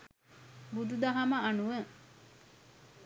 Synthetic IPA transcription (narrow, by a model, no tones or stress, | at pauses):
bud̪ud̪ɐɦɐmɐanuʋə